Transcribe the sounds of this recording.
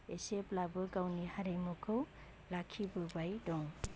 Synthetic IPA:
eseplabɯɡawnihaɾejmokʰɯw | lakʰːibɯbajdɔŋ

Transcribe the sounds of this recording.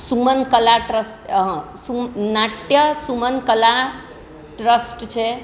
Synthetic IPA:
sumənkəlaʈɾəs | sumnaʈjəsumənkəla | ʈɾəsʈt͡ʃʰɛ

